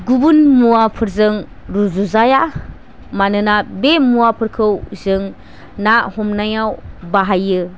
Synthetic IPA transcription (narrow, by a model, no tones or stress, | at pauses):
ɡubunmuwapʰɯɾzɯŋ | ɾuzuzaja | manɯnabemuwapʰɯɾkʰɯwzɯŋ | nahɔmnajawbaɦajɯ